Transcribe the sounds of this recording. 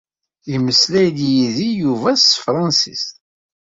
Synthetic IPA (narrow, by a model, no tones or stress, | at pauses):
iməslæjljiðijuvæst̪fɾˤɑnsist̪